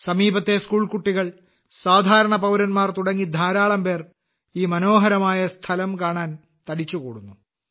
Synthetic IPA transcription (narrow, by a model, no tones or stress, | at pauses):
sɐmiːbɐt̪ːe̞skuːɭkuʈːiɣɐɭ | saːd̪ʱaːɾɐɳɐpɐwɾɐnmaːrt̪uɽɐŋːid̪ʱaːɾaːɭɐmpe̞ːr | iːmɐno̞ːɦɐɾɐmaːjɐst̪ʰɐlɐmkaːɳaːn | t̪ɐɽit͡ɕːukoːɽunːu